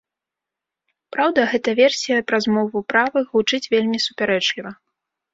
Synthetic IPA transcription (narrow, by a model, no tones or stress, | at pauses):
pɾawd̪ɐɣɛt̪ɐvʲɛrsʲijɐpɾɐzmɔvupɾavɨɣut͡ʂɨt͡sʲvʲelʲmʲisupʲaɾɛt͡ʂlʲivɐ